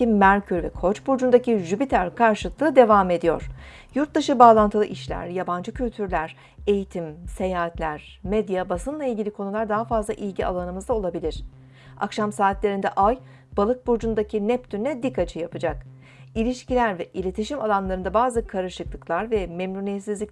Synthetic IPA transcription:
imæɾʲcʰyɾvɛkʰo̞t͡ʃbuɾd͡ʒund̪aciʒypit̪ʰæɾkʰaɾʃɯlˠɯklˠɯːd̪e̞vaːme̞d̪ijo̞̰ɾ̥ | juɾt̪̚d̪aʃɯbaːlˠant̪ʰɯlˠɯʔiʃlʲæ̰ɾjaband͡ʒɯcʰylʲt̪ʰyɾlʲæɾ̥ | e̞jit̪ʰimse̞jaːat̪lʲæɾ̥ | med̪jabasɯnlˠailʲɟʲilʲikʰo̞nulˠaɾd̪aɦafazlˠaʔilʲɟia̰lˠanɯmɯzd̪ao̞lˠabilʲiɾ̥ | a̰kʃamsaːt̪lʲe̞ɾind̪ɛʔaj | b̥alˠɯk̚buɾd͡ʒund̪acʰinɛp̚d̪ynnʲɛd̪ikʰːat͡ʃʰɯjapɯd͡ʒak | ilʲiʃcilʲæɾvɛʔilʲe̞t̪ʰiʃimalˠanlˠaɾɯnd̪abaːzɯkʰaɾɯʃɯklˠɯklˠaɾvɛmemnunijet̪sizlʲic

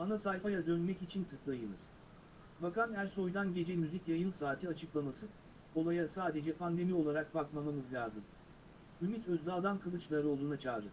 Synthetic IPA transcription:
anasajfajad̪ønmɛcit͡ʃʰint̪ʰɯklˠajɯnɯz̥ | bakanæɾso̞jd̪anɟe̞d͡ʒɛmyzicjajɯnsaːt̪ʰɯat͡ʃʰɯklˠamasɯ | o̞lˠajasaːd̪e̞d͡ʒɛpʰand̪e̞mio̞lˠaɾak̚bakmamɯmɯzlʲaːzɯm | ymit̪ʰøzd̪aːd̪ankʰɯlˠɯt͡ʃlˠaɾɯo̞lˠd̪uːnat͡ʃʰaːɾɯ

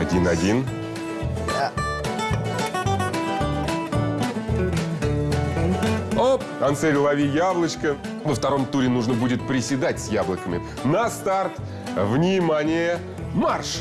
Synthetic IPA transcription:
ɐdʲinɐdʲin | a | opkɐnt̪sɛɾʲɪlˠɐvʲijablˠət͡ɕkə | vəft̪ɐɾo̞mt̪uɾʲɪnuʐnəbudʲɪt̪̚pɾʲɪsʲɪd̪atʲsʲjablˠəkəmʲɪ | nəst̪art̪ | vnʲɪmanʲɪjə | marʂ

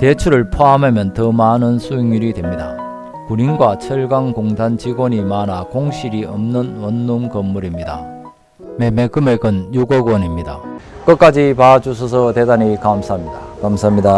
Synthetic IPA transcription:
t̪e̞t͡ɕʰuɾɯɭpʰoamemjʌntʌmanɯnsʰueŋuɾidwe̞mɲida̰ | kuninɡwat͡ɕʰʌɭɡaŋkoŋdant͡ɕiɡwʌɲimanakoŋɕʰiɾiʌmnɯnwʌnːunkʌmːuɾimɲida̰ | memeɡɯmeɡɯnjuɡʌɡwʌnimɲida̰ | k͈ʌt̚k͈ad͡ʑipad͡ʑus̬ʰʌsʰʌt̪edaɲikamsʰaɦmɲidakamsʰamɲida

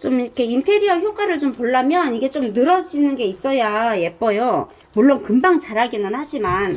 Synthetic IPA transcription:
t͡ɕomiikʰe̞intʰe̞ɾiʌçjok͈aɾɯɭt͡ɕompoɭːamjʌniɡe̞t͡ɕ͈omnɯɾʌd͡ʑinɯnɡe̞is͈ʌjaje̞p͈̚ʌjo | muɭːonkɯndaŋt͡ɕaɾaɡinɯnhad͡ʑiman

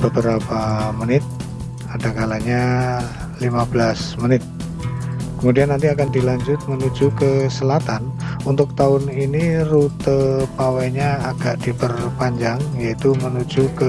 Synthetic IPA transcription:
b̥əbəɾapamənɪt̪̚ | adakalaɲa | limabəlasmənɪt̪̚ | kəmudianːant̪iakandilaɲd͡ʒʊt̪̚mənud͡ʒukəsəlat̪anunt̪ʊk̚t̪aʊninirut̪əpawaiɲaːɡaʔdibərpaɲd͡ʒaŋjait̪umənud͡ʒukə

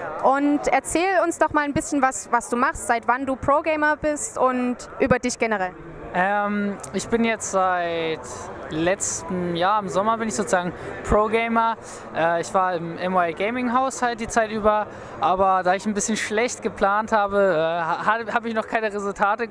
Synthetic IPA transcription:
ʔʊntɛɐt͡sɛːlʊnsnɔχmaːlanbɪsçənvasvasd̥uːmaχstz̥aɪtv̥anduːpʁ̥oɡeɪmɐbɪstʔʊnt | ʔyːbɐdɪçɡ̥ɛnəʁɛl | ʔɛːmɪçb̥ɪnjɛt͡stz̥aɪt | lɛt͡stəm̩jaːɐɪmzɔmɐbɪnɪçz̥oːt͡sz̥aːɡŋ̩pʁ̥oːɡeɪmɐ | ʔɛːɪçv̥aːɐɪmʔɛmaɪɡeɪmɪŋɦaʊshalt̚d̥iːt͡saɪtʔyːbɐ | ʔaːbɐdaːɪçnbɪsçənʃlɛçt̚ɡ̥əpl̥aːnthaːbəɛːhahaːbəɪçnɔχkʰaɪnəʁezʊltʰaːtə

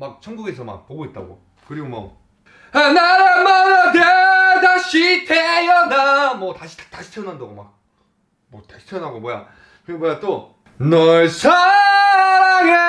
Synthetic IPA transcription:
mak̚t͡ɕʰʌnɡuɡe̞sʰʌma̰k̚poɡoit̚t͈a̰ɡo̰ | kɯɾiɡomwʌ̰ | anaɾamaɾadedaɕʰitʰejʌnamwʌtaɕʰi̥tʰḁtaɕʰi̥tʰeʌnɦandaɡoma̰k̚ | mʌtai̥tʰeʌnɦaɡomoja̰ | kɯɾiɡomojat͈o | nʌɭsʰa | ɾɡe

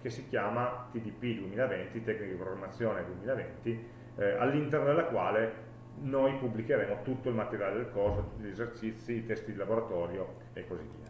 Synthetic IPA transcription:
kesːikjaːmat̪id̪ipid̪uemiːlavent̪it̪ɛknikad̪ipɾoɡɾamːat̪sːjoːned̪uemiːlavent̪i | alːint̪ɛrnod̪elːakwaːle | nojpubːlikeɾeːmot̪ut̪ːoilmat̪eɾjaːled̪elkorsot̪u̥t̪ːiʎezert͡ʃit̪sːiːt̪ɛst̪id̪ilaboɾat̪ɔːɾjo | ekːozivːḭːa

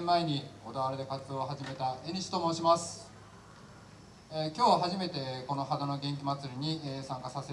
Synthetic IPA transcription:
mːaeɲ̟io̞d̪aβaɾed̪e̞kat͡sɨd̪o̞ːɦaʑime̞t̪aeɲ̟ʲiɕi̥t̪omo̞ːɕimasɨ̥ | ekʲo̞ːβaɦaʑime̞t̪e̞ko̞no̞ɦad̪ano̞ɡẽ̞ŋk̬ʲimat͡sɨɾʲiɲ̟isãŋkasase

